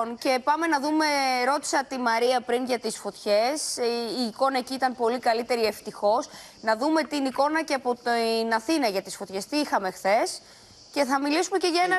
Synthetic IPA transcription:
nce̞pɐme̞nɐðume̞ɾo̞t̪i̥sɐt̪imɐɾiɐpɾinʝɐt̪isfo̞t̪çe̞siːko̞nɐeciit̪ɐnpo̞likɐlit̪e̞ɾie̞ft̪ixo̞s | nɐðume̞t̪iniko̞nɐceɐpot̪nɐθinɐʝɐt̪isfo̞t̪çe̞st̪iixɐme̞xθe̞s | ce̞θɐmilisume̞ce̞ʝɐenɐ

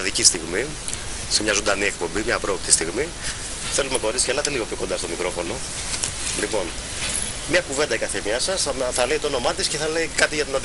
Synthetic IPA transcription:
ðicist̪iɣmi | semɲɐzo̞nd̪ɐniek̚po̞mbimɲɐpɾo̞pt̪ist̪iɣmi | θe̞lume̞ko̞ɾitsicelɐt̪e̞liɣo̞pço̞kod̪ɐst̪o̞mikɾo̞fo̞no̞ | lipo̞n | mɲɐkuve̞nd̪ɐikɐθemɲɐsɐsθɐleit̪oono̞mɐt̪isce̞θɐleikɐt̪iʝɐt̪inɐð

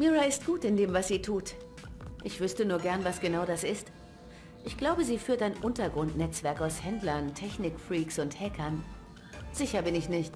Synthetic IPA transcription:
miʁaɪst̚ɡ̥uːtɪndeːmvasz̥iːtʰuːt | ʔɪçv̥ʏstənuːɐɡɛɐnvasɡ̥ənaʊdasɪst | ʔɪçɡ̥laʊbəziːfyːɐtaɪnʔʊntɐɡʁʊntnɛt͡sv̥ɛɐkaʊshɛndlɐntʰɛçnɪkfʁiːksʊnthɛkʰɐn | z̥ɪçɐbɪnɪçnɪçt

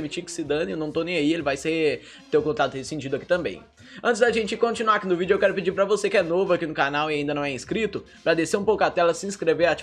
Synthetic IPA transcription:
mit͡ʃikɪ̥sɪd̪ɐ̃newnɐ̃w̃t̪onẽj̃aielɪvajse | t̪eʊkõnt̪at̪ʊesɪsĩt͡ʃid̪ʊaki̥t̪ɐ̃mbḛ̃j̃ | ɐ̃nt͡ʃɪzd̪aʒẽt͡ʃɪkõt͡ʃinuaɾakinʊvid͡ʒʊewkɛɾʊped͡ʒiɾpɾɐvosekɪɛnovʊakinʊkanawiaĩnd̪ɐnɐ̃w̃ɛĩskɾit̪ʊ | pɾɐd̪eseɾũpowkʊat̪ɛlɐsɪĩskɾeveɾat͡ʃ

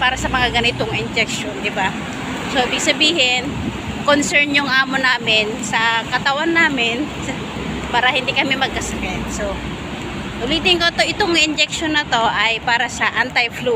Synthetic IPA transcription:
paːɾɐsɐmɐŋaɡɐnɪt̪oŋʔɪnd͡ʒɛk̚ʃond̪ɪba | soʔibɪɡ̚sɐbiːhɪn | konsɛɹnjʊŋʔaːmonaːmɪnsɐkɐt̪ɐwanːaːmɪnsɐ | paːɾɐhɪnd̪ikɐmɛmɐɡ̚kɐsɐkɛnso | t̪ʊliːt̪ɪŋkot̪oʔɪt̪oŋʔɪnd͡ʒɛk̚ʃonːɐt̪o̞ʔɐjpaːɾɐsɐʔant̪ɐjflu

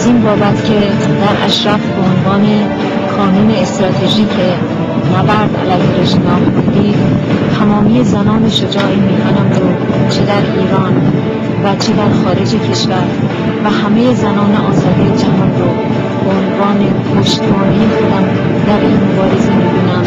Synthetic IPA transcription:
æziːnbɒːbæt̪ʰcʲʰe̞ | d̪æɾʔæ̰ʃɾæfbeonvɒːne̞ | kʰɒːnuːne̞ːst̪ɾɒːt̪ʰe̞ʒiːcʰe̞ | næbæɾd̪æ̰læjheɾeʒimɒːmbond̪iːt̪ʰæmɒːmijezænɒːneʃod͡ʒɒːʔimiːkʰanæmɾot͡ʃʰe̞d̪æɾiːɾɒːn | væt͡ʃʰe̞d̪æɾxɒːɾe̞d͡ʒecʰe̞ʃvæɾ | væɦæme̞je̞zænɒːneʔɒːzɒːd̪ijed͡ʒæɦɒːnɾo | beonvɒːne̞ɡoːʃt̪mɒːnejexo̞d̪æm | d̪æɾʔiːnmobɒːɾe̞zemiːɡonæm

